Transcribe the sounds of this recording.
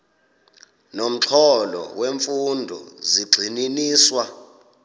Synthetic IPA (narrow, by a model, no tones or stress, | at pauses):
nom̩ǁʰɔlɔ̰weɱfundʱɔ̰ziɡ͡ǀʱininiːswa